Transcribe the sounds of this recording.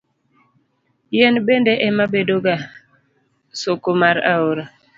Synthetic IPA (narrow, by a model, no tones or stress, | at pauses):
jɛnbendɛʔɛmabedoɡa | sokomaɾa̰oɾa